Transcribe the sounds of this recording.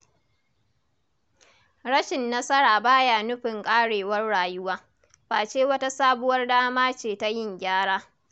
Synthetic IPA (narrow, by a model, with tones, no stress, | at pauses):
ɽɐ˦ʃɪ˨nːɐ˦sɐ˦ɽaː˨baː˦jaː˨nʊ˦ɸɪ˨ŋkʼaː˦ɽeː˨wɐ˦rːaː˨jʊ˦waː˦ | ɸaː˨t͡ʃeː˦wɐ˦ta˦saː˦bʊ˦wɐ˦rdaː˦maː˦t͡ʃeː˨ta˦jɪ˦˨ŋɡʲaː˦ɽaː˦